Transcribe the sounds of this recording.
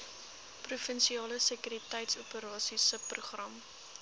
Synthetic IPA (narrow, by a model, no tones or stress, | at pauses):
prufənʃiɑːləsəkyɾitɛjtsupəɾɑːsisəpruχrɐm